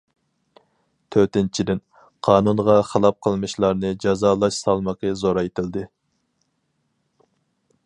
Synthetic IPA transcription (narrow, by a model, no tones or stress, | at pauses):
t̪ʰøɾt̪ɪnt͡ʃʰid̪ɪn | qʰɑːnunʁɑχəlˠɑp̚qʰəlˠmɨʃlˠɑɾnɨd͡ʒɑzɑːlˠɑʃsɑlˠmɑqəzoɾɑet̪ʰɪld̪ɪ